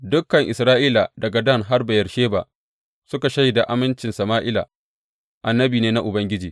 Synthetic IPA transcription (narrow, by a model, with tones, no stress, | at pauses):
dʊ˦kːɐ˨ŋʔɪ˨sɾaː˦ʔiː˦la˨dɐ˨ɡa˨dɐ˦˨ŋɦa˦rbɐ˨jɐ˨rʃeː˦ba̰˨ | sʊ˦ka˨ʃɐ˦jda˨ʔa˦mɪ˦nt͡ʃɪ˨nsɐ˨maː˦ʔɪ˦la̰˨ | ʔa˨nːɐ˦biː˨neː˦na˦ʔʊ˨bɐ˦ŋɡʲɪ˦d͡ʒiː˨